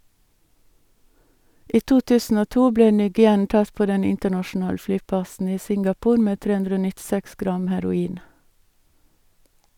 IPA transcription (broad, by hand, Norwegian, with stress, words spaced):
ˈiː ˈtuː ˈtʉːsn̩ ˈoː ˈtuː ˈbleː ˈnyːɡɪˌɛn ˈtɑt ˈpoː ˈdɛn ˈɪntəɳɑʃn̩ˌɑːl ˈflyːˌpɑsn̩ ˈiː ˈsɪŋɡɑˌpuːɾ ˈmeː ˈtɾeː ˈʉndɾə ˈoː nɪtˈsɛks ˈɡɾɑm hæɾʊˈiːn